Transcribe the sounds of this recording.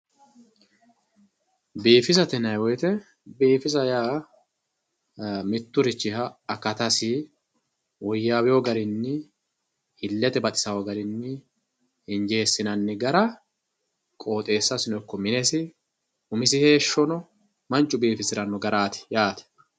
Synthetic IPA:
biːfɪsɐt̪ɛnɐjwɔjt̪ɛ | biːfɪzɐjaː | mɪt̪ːʊɾɪt͡ʃːɪhɐɐkːɐt̪ɐsɪ | wɔjːaːwɪjɔɡɐɾɪnːɪ | ɪlːɛt̪ɛbɐt̪ʼɪ̥sɐwɔɡɐɾɪnːɪ | ɪnd͡ʒe̞ːsːɪnɐnːɪɡɐɾɐ | kʼo̞ːt̪ʼe̞ːsːɐsɪnɔjkːɔmɪnɛsɪ | ʊmɪs̬ɪhe̞ːʃːɔnɔ | mɐnt͡ʃʼːʊbiːfɪsɪɾɐnɔɡɐɾaːt̪ɪ̥jaːt̪ɛ̥

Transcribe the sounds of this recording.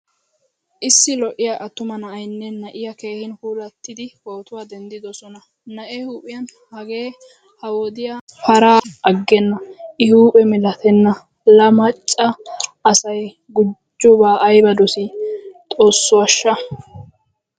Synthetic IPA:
ʔɪsːɪlɔʔɪjaʔɐt̪ːʊmɐnɐʔɐjnːɛnɐʔɪjɐke̞ːhɪnhuːlɐt̪ːɪd̪ɪho̞ːt̪ʊwaːd̪ɛnd̪ɪd̪ɔsɔnɐ | nɐʔehuːpʼːɪjɐn | hɐɡe̞ː | hɐwɔd̪ɪjafɐɾaːʔɐɡːɛnːɐʔɪhuːpʼɛmɪlɐt̪ɛnːɐ | lɐmɐt͡ʃʼːɐːsɐj | ɡʊd͡ʒːʊbaːʔɐjbɐd̪ɔsɪt̪ʼo̞ːsːʊwɐʃːɐ

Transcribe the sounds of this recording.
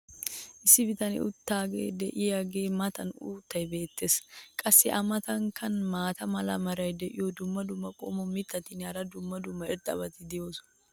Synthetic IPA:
ʔɪsːɪbɪt̪ɐnɪ̰ʊ̰t̪ːaːɡḛːd̪ɛʔɪjaɡe̞ːmɐt̪ɐnṵːt̪ːɐjbe̞ːt̪ːeːskʼɐsːɪʔɐmɐt̪ɐŋkːɐnmaːt̪ɐmɐlɐ̰mɐɾɐjd̪ɛʔɪjɔd̪ʊmːɐd̪ʊmːɐkʼo̰ːmɔmɪt̪ːɐt̪ɪnɐɾɐd̪ʊmːɐd̪ʊmːɐɪɾt̪ʼɐ̰bɐt̪ɪd̪ɪjoːs

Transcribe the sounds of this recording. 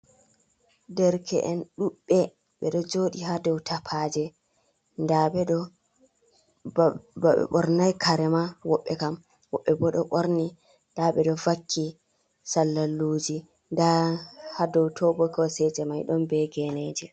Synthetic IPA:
dɛɾkʰɛ̰ʔɛnɗuɓːɛ | ɓɛɗɔd͡ʒoːɗiɦadɔwtʰapʰad͡ʒɛ | ndaɓɛɗɔ | baɓɛ̰ɓɔɾnajkʰaɾɛmawɔɓːɛkam | wɔɓːɛbɔɗɔɓɔɾni | ndaɓɛɗɔvakʰːi | salːalːuːd͡ʒi | ndahadɔwtʰɔbɔkɔsɛd͡ʒɛmajɗɔnbɛɡɛned͡ʒɛ

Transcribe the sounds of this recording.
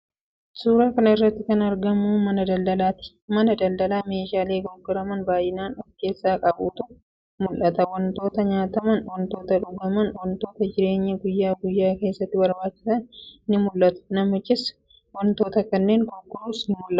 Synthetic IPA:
suːɾaːkɐnɐɪrːɐt̪ːɪkɐnɐɾɡɐmuːmɐnɐd̪ɐld̪ɐlaːt̪ɪ̥ | mɐnɐd̪ɐld̪ɐlaːme̞ːʃaːle̞ːɡɔɡːɔɾɐmɐnbaːjːɪnaːnɔke̞ːsːaːkʼɐbuːt̪ʊ | mʊlʔɐt̪ɐwɐnt̪o̞ːt̪ɐɲaːt̪ɐmɐnwɐnt̪o̞ːt̪ɐᶑʊɡɐmɐnwɐnt̪o̞ːt̪ɐd͡ʒɪɾe̞ːɲːɐɡʊjːaːɡʊjːaːke̞ːsːɐt̪ːɪbɐɾbaːt͡ʃːɪ̥sɐnnɪmʊlːɐt̪ʊ̥nɐmɪt͡ʃːɪs | wɔnt̪o̞ːt̪ɐkɐnːe̞ːŋkɔɡːʊɾuːsnɪmʊlːɐ

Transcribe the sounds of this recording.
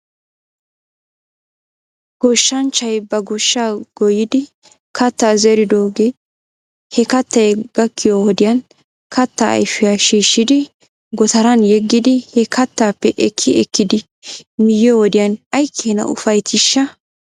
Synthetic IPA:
ɡ̥ɔʃːɐnt͡ʃːɐjbɐɡɔʃːaːɡ̥ɔjɪd̪ɪ | kɐt̪ːaːzɛɾɪd̪oːɡe | hɛkɐt̪ːɐjɡ̥ɐkːɪjowɔd̪ɪjɐn | kʰɐt̪ːaɐ̰jfɪjaːʃiːʃːɪd̪ɪ | ɡɔt̪ɐɾɐnjɛɡːɪd̪ɪhɛkʰɐt̪ːaːpːɛʔɛkʰːɪʔɛkːɪd̪ɪ | mɪjjɔwɔd̪ɪjɐnɐjkʰːeːnɐ̰ʔʊ̰fɐjt̪ʰɪʃːɐ

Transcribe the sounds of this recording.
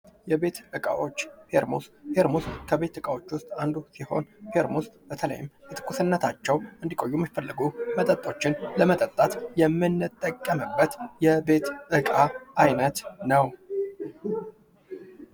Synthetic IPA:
jɛbe̞t̪ʔɨkʼa̰wo̞t͡ʃːhe̞ɾmṵsheɾmuskʰəβe̞t̪ɨkʼawo̞t͡ʃːwʊst̪ʼand̪usiho̞̰nfe̞ɾmust̪bət̪ʰələ̰jɪmʔɨt̪ʰɨ̥kːusɨnːət̪ʰat͡ʃːɛwʔɨnd̪ikʼo̞jːuɛmːifəlːɨɡumət̪ʼət̪ʼːo̞t͡ʃːɪnləmət̪ʼət̪ʼːat̪jɛmːɨnːɨt̪ʼːəkʼːəmɨbːət̪jɛbe̞t̪ʔɨkʼaʔajnət̪nəw

